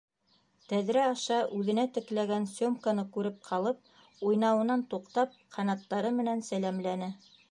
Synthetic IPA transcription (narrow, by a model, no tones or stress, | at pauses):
t̪æðɾæɑʃɑʔʉðɘ̆næt̪ɘ̆klæɡænsʲomkanɤkʉɾɘp̚qʰɑlˠɤp̚ | ujnɑwɤ̆nɑnt̪uqt̪ɑp̚qʰɑnɑt̪ːɑɾɤmɘ̆nænsælæmlænɘ